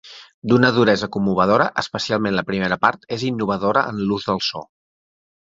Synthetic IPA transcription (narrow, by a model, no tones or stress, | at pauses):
d̪unəðuɾɛzəkumːuβ̞əð̞oɾəʔəspəsialˠmẽnləpɾimeɾəpaɾt̪ezinːuβ̞əðoɾəʔənluzðəlˠsɔ̰